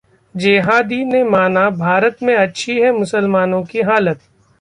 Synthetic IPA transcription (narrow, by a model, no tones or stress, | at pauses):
d͡ʒeːɦaːd̪inemaːnabʱaːɾət̪mẽɐtːʃʰiɦɛmʊsəlmaːnõkiɦaːlət̪̚